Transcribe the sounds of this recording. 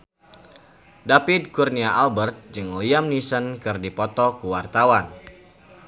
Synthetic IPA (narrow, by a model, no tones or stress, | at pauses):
dapid̚kurniaʔalbərt̪̚d͡ʒɨŋliamnisənkɨrdipɔt̪ɔkuwart̪awan